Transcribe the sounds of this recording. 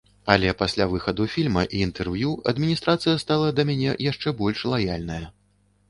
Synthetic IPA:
ɐlʲɛpasʲlʲavɨxɐd̪ufʲilʲmɐʔiːnt̪ɛrvjuɐ̰d̪mʲinʲist̪ɾat̪sɨjɐst̪alˠɐd̪ɐmʲanʲɛ̰jaʂt͡ʂɛbɔlʲʂlˠajalʲnɐjɐ

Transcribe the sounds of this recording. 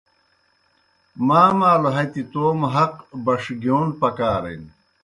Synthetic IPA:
maːmaːloɦɐt̪it̪oːmɦɐqbɐʂɡoːnpɐkaːɾḛn

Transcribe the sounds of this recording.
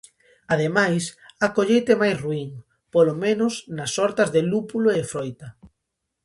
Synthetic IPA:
aðemajsakoʎejt̪emajsruiŋ | polomẽnʊsnɐsɔɾt̪ɐzðelupuloefɾojt̪ɐ

